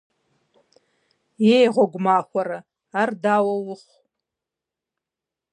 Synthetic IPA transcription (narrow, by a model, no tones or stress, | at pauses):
jejʁʷaɡʷmaːχʷaɾa | ardaːwɐwʊχʷ